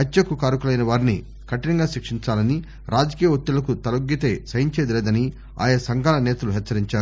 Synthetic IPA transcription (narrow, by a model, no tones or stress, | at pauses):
ɐt͡ʃːɐkukaːɾukulɐjnɐʋaːɾini | kɐʈːinɐŋɡaːʃikʂiɲt͡ʃaːlɐni | ɾʔaːd͡ʒɐkiːjɐot̪ːilɐkut̪ɐlɐɡːit̪eːsɐjɐɲt͡ʃeːd̪ileːd̪ɐni | a̰ːjɐsɐŋɡaːlɐnɛːt̪ɐluɦɛt͡ʃːsːɐɾiɲt͡ʃaːɾu